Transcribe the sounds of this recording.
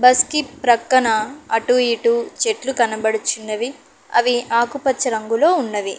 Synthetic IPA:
bɐskipɾɐkːɐnɐɐʈuiʈut͡ʃeʈlukɐnɐbɐɽut͡ʃinːɐʋi | ɐ̰ʋiaːkupɐtːt͡ʃːɐɾɐŋɡulo̞ːunːɐʋi

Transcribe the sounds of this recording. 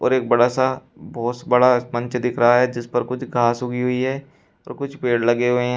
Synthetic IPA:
ɔ̰ːɾeːk̚bɐɽasa | bɔːt̪bɐɽamɐ̃ɲt͡ʃd̪ɪkʰɾɐɦaɦɛd͡ʒɪspɐɾkʊt͡ʃʰɡʱaːsɦʊɡiɦʊiɦɛː | ɔ̰ːɾkʊt͡ʃʰpeːɽlɐɡeɦʊeɦ

